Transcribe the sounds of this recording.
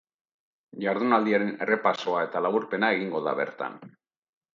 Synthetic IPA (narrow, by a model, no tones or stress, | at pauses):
ʝaɾðunald̪iaɾe̞ne̞re̞paso̞ae̞t̪alaβuɾpe̞nae̞ɣ̞iŋɡo̞ða̰βe̞̰ɾt̪a̰n